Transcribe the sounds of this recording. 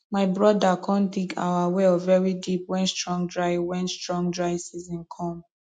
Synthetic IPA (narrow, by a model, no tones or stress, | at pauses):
maɪbɹɔdakʰɔ̃ndiɡa̰ʊawɛvɛɹidipwɛ̃nstɹɔ̃ŋdɹaɪwɛ̃nstɹɔ̃ŋdɹaɪsizĩnkʰɔ̃m